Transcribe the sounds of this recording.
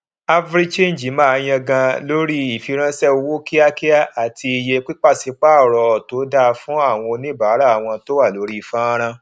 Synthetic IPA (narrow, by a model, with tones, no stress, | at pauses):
a˦vɾi˦t͡ʃẽ˦˨n˨d͡ʒi˨˦mã˦a˧j̃ã˧ɡã˧lo˦ɾi˦i˦˨fi˧˦ɾ̃ã˦sɛ˦o˧wo˦ki˦a˦ki˦a˦˨a˨tʰi˧i˧je˧k͡pi˦k͡pa˦˨si˨˦k͡pa˦ɔ˨ɾɔ˨˧˨to˨˦da˦˧fũ˦a˦˨w̃ɔ̃˧nĩ˦baː˨˦ɾa˦˨a˨w̃ɔ̃˧to˦wa˦˨lo˨˦ɾi˦i˨fã˦ɾ̃ã˧